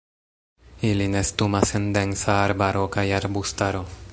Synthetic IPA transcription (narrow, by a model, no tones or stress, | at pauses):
ilinest̪umasend̪ensaːɾbaɾʔokajaɾbust̪aɾo